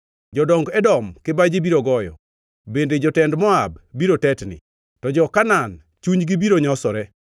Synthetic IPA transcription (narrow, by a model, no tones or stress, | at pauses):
d͡ʒɔdɔŋɡɛdɔmkebad͡ʒibiɾoɡɔjɔ̰ | bended͡ʒɔtɛndmɔabbiɾotɛtnɪ̰ | tɔd͡ʒɔkanan | t͡ʃuɲɡibiɾoɲɔsɔɾɛ